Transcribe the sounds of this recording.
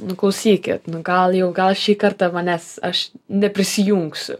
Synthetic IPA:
nʊklˠɐʊsʲiːkʲɪt̪nʊɡɐlˠjɛʊɡɐlˠʃʲiːkɐɾt̪ɐʋɐnʲɛsɐʃnʲɛpʲɾʲɪsʲɪjuŋksʲʊ̰

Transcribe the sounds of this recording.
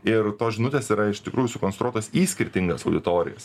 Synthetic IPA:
ɪɾt̪oːsʒʲɪnʊt̪ʲeːsiːɾɐɪʃt̪ʲɪkɾuːjʊsʊkonst̪ɾuɔt̪oːsiːsʲkʲɪɾʲt̪ʲɪŋɡɐsɐʊd̪ʲɪt̪oːɾʲɪ̰jɛ̰s

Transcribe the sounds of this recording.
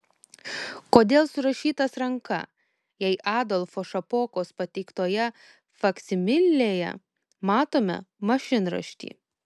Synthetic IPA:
koːd̪ʲeːlˠsʊɾɐʃʲiːt̪ɐsɾɐŋkɐ̰ | jɛɪʔɑːd̪ɔlˠfoːʃɐpoːkoːspɐt̪ʲɛɪkt̪oːjɛ | fɐksʲɪmʲɪlʲːeːjɛ̰ | mɑːt̪oːmʲɛ̰mɐʃʲɪnɾɐ̰ʃʲt̪ʲḭː

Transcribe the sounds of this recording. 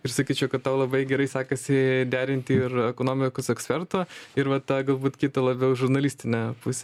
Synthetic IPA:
ɪrsɐkʲiːt͡ʃʲɛʊkɐt̪t̪ɑʊlˠɐbɐɪɡʲɛɾɐɪsɑːkɐsʲɪd̪ʲæːɾʲɪnʲt̪ʲɪɪrɛkoːnoːmʲɪkosɛksʲpʲɛrt̪oːɪɾʋɐt̪ɐɡɐlˠbuːt̪kʲiːt̪ɐlˠɐbʲɛʊʒʊɾnɐlʲiːsʲt̪ʲɪnʲɛpʊsʲɛ

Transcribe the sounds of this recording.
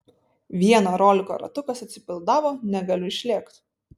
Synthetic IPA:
ʋʲiɛnoːɾoːlʲɪko̰ːɾɐ̰t̪ʊkɐsɐt̪ʲsʲɪ̥pʲɪlˠd̪ɑːʋoːnʲɛɡɐlʲʊɪʃʲlʲeːkt̪

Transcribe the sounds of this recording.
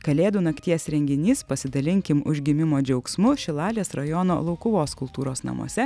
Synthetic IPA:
kɐlʲeːd̪uːnɐkt̪ʲiɛsɾʲɛŋʲɡʲɪnʲiːspɐsʲɪd̪ɐlʲɪŋʲkʲɪmʊ̰ʒʲɡʲɪmʲɪmoːd͡ʒʲɛʊksmʊʃʲɪlˠɑːlʲeːsɾɐjɔno̰ːlˠɐʊkʊʋoːskʊlˠt̪uːɾoːsnɐ̰mṵɔsʲɛ

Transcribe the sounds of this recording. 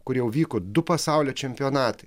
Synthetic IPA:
kʊɾjɛʊʋʲiːkod̪ʊpɐsɑˑʊlʲoːt͡ʃʲɛmʲpʲɪɔːnɑːt̪ɐɪ

